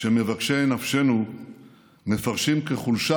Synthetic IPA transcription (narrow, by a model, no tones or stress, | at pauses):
eme̞vakʃenafʃe̞nu | mefaʁʃimkeχulʃa